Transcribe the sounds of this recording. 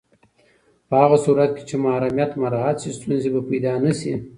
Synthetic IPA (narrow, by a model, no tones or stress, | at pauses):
pəhaɣasuɾat̪̚ke̥t͡ʃemahaɾamjat̪maɾɑɦat̪sist̪unzebapajd̪ɑnəsi